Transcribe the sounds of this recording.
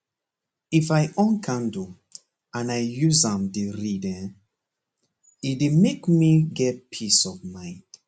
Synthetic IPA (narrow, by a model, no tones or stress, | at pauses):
ifajʔɔ̃nkʰãndu | ãnajjuzãmdeɹidɛ̃n | idemekmiɡɛt̚pʰisɔvmãɪ̃nd̥